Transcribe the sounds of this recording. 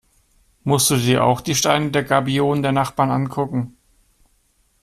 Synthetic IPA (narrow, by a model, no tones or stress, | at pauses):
mʊst̚d̥uːdiːɐʔa̰ʊxd̥iːʃtaɪnədeːɐɡaɐbioːnndeːɐnaχb̥aːɐnʔankʰʊkŋ̩